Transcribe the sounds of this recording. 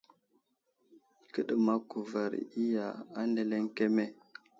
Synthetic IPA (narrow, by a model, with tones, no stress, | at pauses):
kə˦ɗə˨ma˦ku˨va˨ɾ̰i˦ja˨a˦nde˨le˦ŋke˦me˦˨